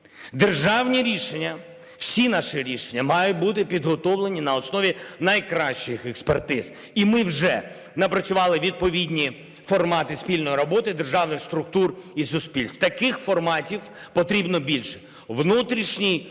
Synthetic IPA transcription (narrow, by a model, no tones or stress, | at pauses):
d̪erʒɑwnʲiɾʲiʃenʲːɐ | w̥sʲinɑʃiɾʲiʃenʲːɐmɑjʊt̚ʲbut̪̬ɪpʲid̪ɦɔt̪ɔwlˠe̞nʲinɐɔsnɔʋʲinɐjkɾɑʃt͡ʃɪxɛkspert̪ɪz | imɪwʒɛ | nɐpɾɐt͡ssʲʊʋɑlˠɪʋʲid̪̚pɔʋʲidʲnʲi | fɔrmɑt̪ɪspʲilʲnɔjiɾɔbɔt̪ɪd̪erʒɑwnɪxst̪ɾʊk̚t̪urisʊspʲilʲst̪t̪ɐkɪxfɔrmɑtʲiwpɔt̪ɾʲibnɔbʲilʲʃɛ̥ | ʋnut̪ɾʲiʃnʲij